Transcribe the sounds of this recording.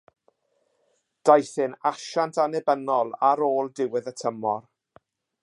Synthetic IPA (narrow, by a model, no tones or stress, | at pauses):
d̥ajθɪnaʃantʰanɛbənɔlˠaɾoːlˠdɪwɪðətʰəmɔr